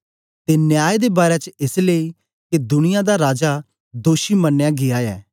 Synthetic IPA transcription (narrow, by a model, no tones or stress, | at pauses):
t̪enjaːed̪eːbaːɾɛt͡ʃɪsleːi | ked̪ʊnɪjãd̪aɾaːd͡ʒa | d̪oːʃimənːjaɡɪjajɛ̰ː